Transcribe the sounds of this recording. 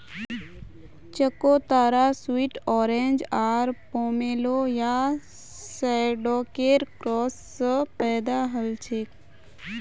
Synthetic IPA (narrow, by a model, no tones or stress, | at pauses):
t͡ʃəkot̪aːɾaswiːʈɔːɾẽnd͡ʒaːɾpoːmeːloja | sɛɖoːkeːɾkɾɔːsːəpɛːd̪aɦəlt͡ʃʰeːk